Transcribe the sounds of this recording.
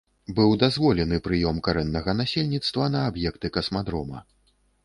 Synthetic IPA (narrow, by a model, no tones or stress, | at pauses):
bɨwd̪azvɔlʲɛnɨpɾɨjɔmkaɾɛnːɐɣɐnasʲelʲnʲit̪st̪vɐnɐːbjɛkt̪ɨkɐsmad̪ɾɔmɐ̰